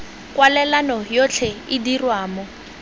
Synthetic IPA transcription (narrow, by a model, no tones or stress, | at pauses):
kʼwalɛlanɔjot͡ɬʰɛɪdirwaːmɔ